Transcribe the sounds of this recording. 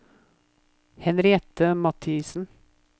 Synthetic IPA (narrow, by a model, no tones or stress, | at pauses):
hɛnɾɪɛt̪əmɑt̪ʰisn̩